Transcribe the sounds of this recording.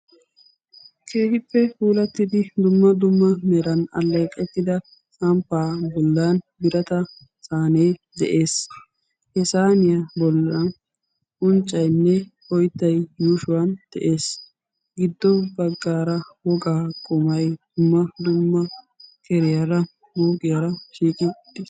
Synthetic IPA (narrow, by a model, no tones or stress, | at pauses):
kʰe̞ːhɪpːɛfuːlɐt̪ːɪd̪ɪd̪ʊmːɐd̪ʊmːɐmɛɾɐnɐ̰lːɐjkʼːɛt̪ːɪd̪ɐ | sɐmpːaːbɔlːanbɪɾɐt̪ɐ | saːneːd̪ɛʔe̞ːs | hɛsaːnɪjɐbɔlːɐn | ʔʊnt͡ʃʼːɐjnːɛ | ɔjt̪ːɐjjuːʃʊwɐnd̪̥ɛʔe̞ːs | ɡɪd̪ːɔbɐɡːaːɾɐwɔɡaːkʼʊmɐjd̪̥ʊmːɐd̪ʊmːɐ | kʰɛɾɪjɐɾɐ | buːɡʼɪjɐɾɐʃiːkʼɪt̪ːɪ